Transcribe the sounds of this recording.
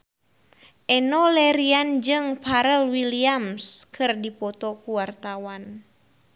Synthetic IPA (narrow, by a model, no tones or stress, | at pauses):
ʔɛnɔlɛɾiand͡ʒɨŋpʰaɾɛlwiliamskʰɨrdipɔt̪ɔkuwart̪awan